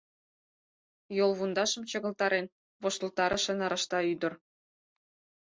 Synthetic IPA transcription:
jolˠβund̪ɑʃə̆mt͡ɕɤ̆ɣɤ̆lt̪ɑɾen | βoʃt̪ə̆lt̪ɑɾʔɤ̆ʃĕnɑɾɑ̆ʃt̪ɑyd̪ə̆r

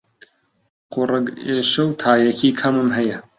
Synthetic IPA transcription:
qʊrɨɡeːʃɐwt̪ʰaːjɐkʰiːkʰɐmɨmɦɐjɐ

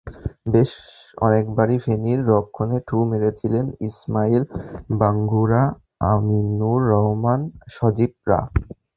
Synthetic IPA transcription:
beʃ | ɔ̰nekbaɾifʰeniɾːɔkʰːoneʈʰumeɾet͡ɕʰilenismailbaŋɡuɾa | aminːuɾːɔɦomanʃɔd͡ʑib̚ɾa̰

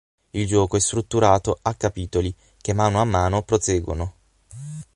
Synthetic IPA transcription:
ild͡ʒɔːkoɛst̪ɾut̪ːuɾaːt̪oakːapiːt̪oli | kemːaːnːoamːaːnopɾoseːɡwono

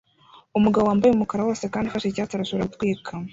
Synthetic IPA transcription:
umuɡaβowaːmbajeumukaɾawoːsekaːndifaʃecaːtaɾasuɾautkwiːkʰam

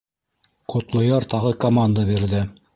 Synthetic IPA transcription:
qʰŏt̪lˠŏjɑɾt̪ɑʁɤkɐmand̪abiɾðɘ

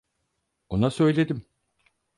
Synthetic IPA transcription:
onasø̞jlʲe̞d̪im

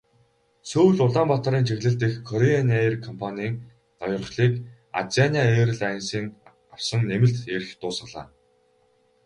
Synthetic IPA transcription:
sɵwɮʊɮaːmpɔt̪ɔ̆ɾiːnt͡ɕʰeɣɮɘ̆ɬt̪ɘ̆xkʰːɔɾeanerkʰɔmpʰanʲiːŋ | nɔjɞ̆rχɮiːk | a̰t͡sianʲiaeːɾɘ̆ɮajnsiːŋ | aw̥sə̆ŋnemɘ̆ɬt̪eːɾɘxt̪ʊːsə̆ɮa̰ː

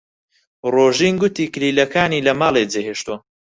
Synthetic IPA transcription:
roːʒinɡʊt̪iːkliːlɐkaːniːlɐmaːlˠed͡zeɦeːʃt̪uɐ

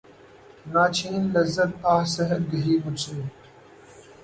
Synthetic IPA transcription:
naːt͡ɕʰiːnlɐzːɐt̪̚aːhsɐɦɐɾ̚ɡɐɦiːkʊseː

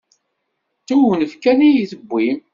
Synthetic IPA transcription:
t̪uwənəfkænijiθəbʷːim

